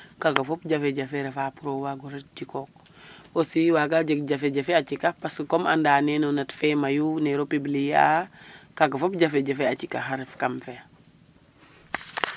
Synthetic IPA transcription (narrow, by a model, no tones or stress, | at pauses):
kakafopɟafeɟafeɾefapuɾowaɡuɾet̚d͡ʒikok̚ | osiwaɡaɟəkɟafeɟafeat͡ʃikapaskoma̰ndaːnenonatfemajuneɾopiblija | kaɡafop̚ɟafeɟafeat͡ʃikaɦaɾefkamfe